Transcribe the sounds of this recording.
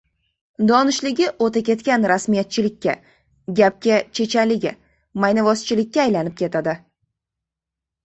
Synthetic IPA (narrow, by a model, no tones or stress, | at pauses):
d̪ɒnɪʃlɪɡʲɪʔot̪akʲe̞t̪kʲanɾasmijat̪̚t͡ʃʰɪlɪkʲːa | ɡʲap̚kʲat͡ʃʰe̞t͡ʃʰalɪɡʲɪ̰ | majnavɒst͡ʃʰɪlɪkʲːaːjlanɪp̚kʲʰe̞t̪ʰad̪ɪ